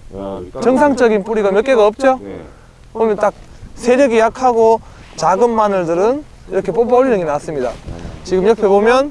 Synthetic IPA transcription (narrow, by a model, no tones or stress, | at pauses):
t͡ɕʌŋsʰaŋt͡ɕ͈ʌɡinpuɾiɡamjʌk͈e̞ɡaʌp̚t͡ɕ͈o | pomjʌnt͈ak̚ | sʰe̞ɾjʌɡijakʰaɡo | t͡ɕaɡɯmːanɯɭdɯɾɯn | iɾʌkʰe̞poboɭnɯŋinas͈ɯmɲidat͡ɕiɡɯmjʌpʰe̞bomjʌn